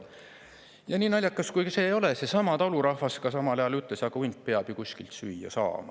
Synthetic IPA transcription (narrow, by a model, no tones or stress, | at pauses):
jɑniːnɑlʲjɑkːˑɑskujkse̞ːjo̞lesesɑmɑt̪ɑluɾɑhvɑskɑsɑmɑlɑjɑlyt̪lesɑɡ̥ɑujnt̪̚peɑb̥jukusʲkilt̪syːjɑ̰sɑ̰ːmɑ̰